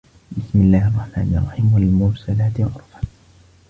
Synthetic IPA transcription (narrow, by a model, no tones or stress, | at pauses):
bɪsmɪlːaːhʔɑrˤːɑħma̰ːnɪʔɑrˤːɑħiːmwalmʊɾsalaːt̪ʔɑ̰ɾˤfḁ